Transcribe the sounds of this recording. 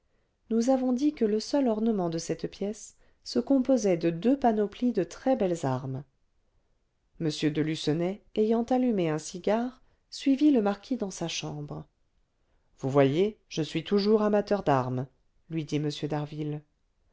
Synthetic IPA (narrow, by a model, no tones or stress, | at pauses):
nuzavɔ̃d̪ikələsœlɔʁnəmɑ̃d̪əsɛt̪pjɛsː | əkɔ̃pozɛd̪əd̪øpanoplid̪ət̪χɛbɛlzaʁm | məsjød̪əlysənɛejɑ̃t̪alymeɛ̃siɡʲaʁ | sɥiviləmaʁkʲʰid̪ɑ̃saʃɑ̃bʁə | vuvwajeʒ̥əsɥit̪ʰuʒuʁamat̪œʁd̪aʁm | lɥid̪iməsjød̪aʁvil